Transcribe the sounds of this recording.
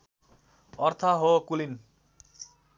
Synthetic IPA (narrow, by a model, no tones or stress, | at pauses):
ʌrt̪ʰaɦokulin